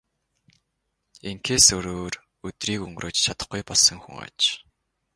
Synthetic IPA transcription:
eŋkʰeːsɵɾoːr | ɵt̪riːkɵŋɡrʔoːt͡ɕt͡ɕʰat̪ə̥̆χɡujpɔɮsə̆ŋxṵŋa̰t͡ɕ

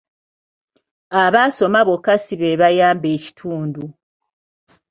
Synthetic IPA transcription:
aβaso̞maβokːasiβeβajaːmbeːci̥tʰuːndu

